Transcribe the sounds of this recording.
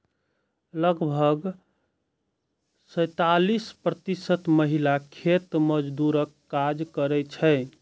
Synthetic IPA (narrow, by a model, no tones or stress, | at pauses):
ləɡbʱəɡ | sə̃jt̪alispɾət̪isət̪məɦilakʰet̪məd͡ʒd̪uɾəkːad͡ʒkəɾɛt͡ʃʰə